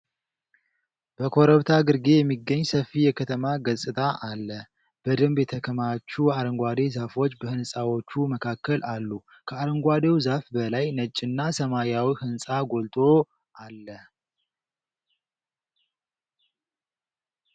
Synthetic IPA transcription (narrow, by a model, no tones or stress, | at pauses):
b̥əkʰo̞ɾəβt̪ʰaɡɨɾɡe̞jɛmːiɡːəɲːsəfːijɛkʰət̪ʰəmaɡəsʼɨt̪ʼʰaʔalːə | b̥əd̪ɨmbjɛt̪ʰəkʰəmat͡ʃːuaɾəŋɡʷad̪e̞zafo̞t͡ʃːbəhɨnsʼawo̞t͡ʃːuməkʰakːəlalːu | kʰəaɾəŋɡʷad̪ewzafbəlajnət͡ʃʼːɪnːasəmaɾjawihɨnsʼaɡo̞lt̪ʼʰo̞ | ʔalːə